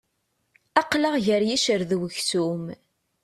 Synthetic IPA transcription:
ɑqləʁʝəɾjiʃəɾðwəçθum

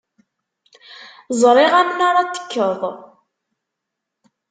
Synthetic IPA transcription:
zˤɾˤiʁæmənaɾˤat̪ːə̥kːəðˤ

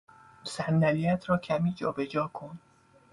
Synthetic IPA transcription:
sændælijæt̪ʰɾɒːcʰæmiːd͡ʒɒːbed͡ʒɒːkʰo̞n

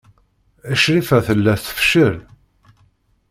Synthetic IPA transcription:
əʃɾifæθəlːæθə̥fʃəɾ

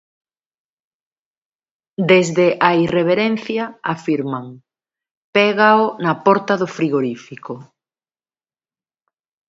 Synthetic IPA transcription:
d̪ezðeʔaireβ̞eɾen̟θjaafiɾmaŋ | pɛɣaonɐpɔɾt̪ɐðʊfɾiɣoɾifiko

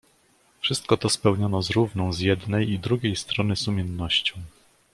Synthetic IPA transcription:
fʂɘst̪̚kɔt̪ɔspɛwɲɔnɔzɾuvnɔ̃w̃zjɛd̪nɛjid̪ɾuɡʲejst̪ɾɔnɘsumʲjɛnːɔɕt͡ɕɔ̃w̃

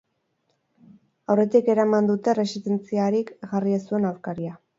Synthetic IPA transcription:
awre̞t̪ike̞ɾamand̪ut̪e̞re̞siðe̞nt͡siaɾikɣariasue̞nawɾkaɾia

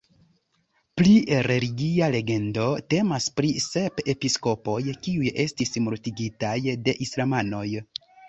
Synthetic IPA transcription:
pliɾe̞liɡiale̞ɡe̞ndo̞te̞maspɾise̞pe̞pisko̞po̞jkiuje̞stismoɾtiɡitajde̞ʔislamano̞j

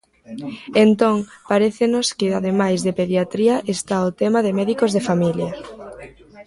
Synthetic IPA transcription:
ent̪õŋpaɾeθɪnoskɪaðemajzðepeðjat̪ɾiɐʔest̪aot̪ɛmaðemɛðikozðefamiljɐ

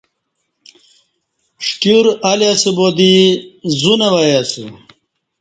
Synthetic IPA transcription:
ʂʈuɾɐljasibod̪izunewɐjasḭ

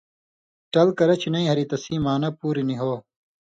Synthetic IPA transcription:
ʈɐlkɐɾɐt͡ɕʰinɐĩɦɐɾit̪ɐsiːmaːnɐpuːɾiniɦoː

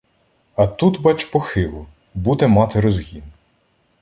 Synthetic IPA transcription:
ɐt̪ut̪bɑt͡ʃpɔxɪlˠʊ | bud̪ɛmɑt̪ɪɾɔzɦʲin

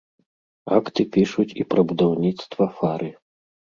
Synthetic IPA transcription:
akt̪ɨpʲiʂut͡sʲipɾɐbud̪awnʲit̪st̪vɐfaɾʔɨ

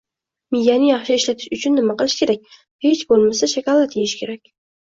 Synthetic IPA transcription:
mɪjanɪjɑχʃɪɪʃlat̪ʰɪ̥ʃʊt͡ʃʰʊnːɪmaqɨlˠɪʃkʲʰe̞ɾak̚ʲ | het͡ʃbolˠmasaʃakʲalˠat̪ʰejɪʃkʲʰe̞ɾakʲ

